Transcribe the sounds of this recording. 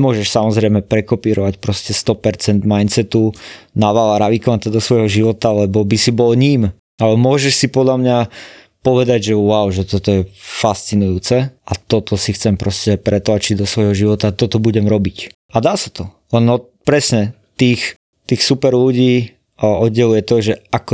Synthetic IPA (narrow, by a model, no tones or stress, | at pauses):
mʊɔʒɛʃsamɔzɾɛɪmɛpɾɛkɔpiːɾɔʋacpɾɔscɛst̪ɔpɛɾt͡sɛnd̪majnt͡sɛt̪unaʋalaɾaʋikɔat̪ad̪ɔsʋɔjɦɔʒiʋɔt̪alɛbɔbisibɔlɲiːm | alɛmʊɔʒɛʃsipɔd̪ʎamɲa | pɔʋɛd̪aɟʒɛʊaʊʒɛt̪ɔt̪ɔjɛfast͡sinujuːt͡sɛʔat̪ɔt̪ɔsixt͡sɛmpɾɔscɛpɾɛt̪laːt͡ʃiɟd̪ɔsʋɔjɦɔʒiʋɔt̪at̪ɔt̪ɔbuɟɛmɾɔbic | ad̪aːsat̪ɔ | lɛnɔ | pɾɛsɲɛ | t̪iːx | t̪iːxsupɛɾluɟiː | ʔɔd̪ɟɛlujɛt̪ɔʒɛakɔ